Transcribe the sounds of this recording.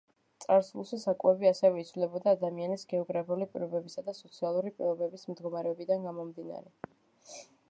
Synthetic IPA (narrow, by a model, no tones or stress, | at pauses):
t̪sʼaɾsvulˠʃɛsakʼwɛbiasɛvɛit̪svlɛbɔd̪aːd̪amianisɡɛɔɡɾapʰulipʼḭɾɔbɛbisad̪asɔt̪sʰialˠuɾipʼḭlˠɔbɛbismd̪ɡɔmaɾɛɔbid̪anɡamɔmd̪ina̰ɾɛ